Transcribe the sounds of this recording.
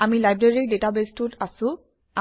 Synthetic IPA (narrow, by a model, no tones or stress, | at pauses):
amilajbɹeɹiɹdetabestʊtasʊ̃ | a